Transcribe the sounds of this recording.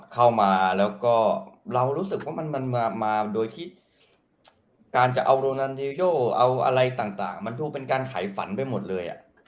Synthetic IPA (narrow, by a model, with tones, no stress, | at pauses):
kʰa˥˩wmaː˧lɛː˦˥wkɔː˥˩ɾa˧wɾuː˦˥sɯ˨˩k̚waː˥˩ma˧nma˧naː˧maː˧doː˧jt̪ʰiː˥˩ | kaː˧nt͡ɕa˨˩ʔa˧wɾoː˧na˧ni˧joː˥˩ʔa˧wʔa̰˧ɾa˧jt̪aː˨˩ŋt̪a̰ː˨˩ŋma˧nduː˧pe˧nkaː˧nkʰa̰ː˩˦jfa̰˩˦npa˧jmo˨˩t̪̚lɤː˧jʔa̰˨˩ʔ